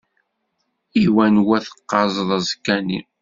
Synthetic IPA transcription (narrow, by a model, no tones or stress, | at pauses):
iwænwæθə̥qːɑzˤðˤæzkːænḭ